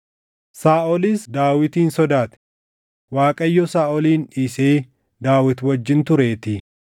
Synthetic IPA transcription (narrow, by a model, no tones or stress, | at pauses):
saːʔɔlisd̪aːwɪt̪iːnsɔd̪aːt̪ɛ̥ | waːkʼɐjːɔsaːʔɔliːniseː | d̪aːwɪt̪wɐd͡ʒːɪnt̪ʊɾe̞ːt̪ɪ